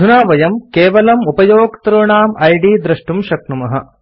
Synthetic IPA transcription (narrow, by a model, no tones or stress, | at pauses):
d̪ʱunaːʋɐjɐmkeːʋɐlɐmupɐjoːɡt̪ɾoːɳaːmɐjɖiːd̪ɾɐʂʈumʃɐknumɐɦɐ̰